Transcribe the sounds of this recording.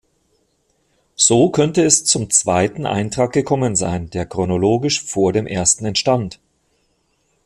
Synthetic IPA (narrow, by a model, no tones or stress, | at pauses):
z̥oːkʰœntəɛst͡sʊmt͡sv̥aɪtn̩ʔa̰ɪntʁ̥aːk̚ɡ̥əkʰɔmənza̰ɪndeːɐkʁ̥onoloːɡɪʃfoːɐdeːmʔeːɐstn̩ɛntʃtant